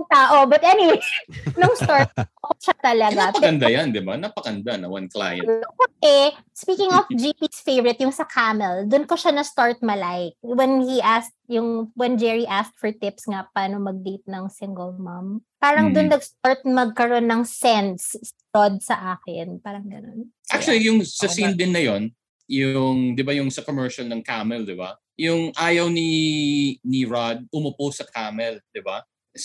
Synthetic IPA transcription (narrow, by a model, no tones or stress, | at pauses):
ŋt̪aːʔobɐt̪ʔɛnɪwejnoŋst̪aɹt̪̚ɐkoʃat̪ɐlɐɡaɐɐɐnd̪ajand̪ɪba̰nɐpɐkɐnd̪anɐ̰wɐ̰nkla̰j̰oɛ | spiːkɪŋɔfd͡ʒipisfejvɹɪt̪̚jʊŋsɐkʰamɛld̪ʊnkoʃanɐst̪aɹt̪̚mɐlajk̚wɛnhiʔast̚jʊŋwɛnd͡ʒɛɹiʔast̪̚fɔɹt̪ɪpsŋapaːnomɐɡ̚d̪it̪̚nɐŋsɪŋɡɛlmampaːɾɐŋd̪ʊnːɐɡst̪aɹt̪̚mɐɡ̚kɐɾo̞nːɐŋsɛns | od̪̚sɐʔaːkɪnpaːɾɐŋɡɐno̰nʔa̰k̚t͡ʃʊɐlijʊŋsɐsind̪ɪnːɐjon | jʊŋd̪ɪbajʊŋsɐkomɛɹʃɐlnɐŋkamɛld̪ɪba̰ | jʊŋʔaːjɐwni | niɹad̪̚ʊmoposːɐkʰaːmɛld̪̥ɪba